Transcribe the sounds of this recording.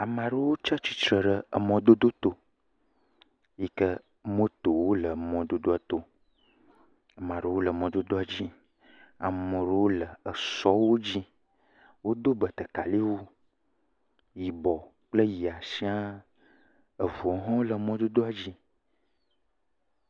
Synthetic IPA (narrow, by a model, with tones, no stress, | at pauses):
a˨mã˨ɖə˦wo˦t͡ʃa˦t͡ɕi˨t̪ɾə˨ɖə˨ə˨mɔ̃˦d̪o˦d̪o˦t̪o˦ | ji˦kə˦ | mə̃˦t̪o˨wo˦lə˨mɔ̃˨d̪o˦d̪o˦a˨t̪o˦ | ə˨mã˨ɖə˦wo˦lə˨mɔ̃˨d̪o˦d̪o˦a˨d͡ʑi˦ | a̰˨mə˨ɖə˦wo˦lə˨ə˨sɔ˦wo˦d͡ʑi˦ | wo˦d̪o˦bə˨t̪ə˨ka˨li˦wo˦ | ji˨bɔ˨ | k͡plə˦ji˨a˨si˦a˦ | ə˨vu˨ɔ˨ɦɔ̃˦wo˦lə˨˦mɔ̃˦d̪o˦d̪o˦a˨d͡ʑi˦